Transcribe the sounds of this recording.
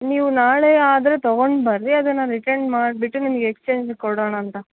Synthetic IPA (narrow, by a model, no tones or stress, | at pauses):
niːʋunaːɭeːaːd̪ɐɾet̪ɔɡoɳɖbɐɾdiɐd̪ɐnːɐɾiʈɐɳmaːɖbiʈːunimɐɡeːkst͡ʃeːɲd͡ʒkɔɽoːɳɐːnt̪ɐ